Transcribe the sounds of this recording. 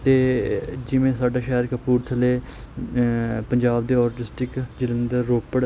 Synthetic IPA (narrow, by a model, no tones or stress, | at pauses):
t̪eːd͡ʒɪʋẽːsaːɖaːʃɛːəɾkəpuːɾt̪ʰəleː | pəɲd͡ʒaːbd̪eːɔːɾʈɪsʈɪkd͡ʒɪlənd̪əɾːoːpəɽ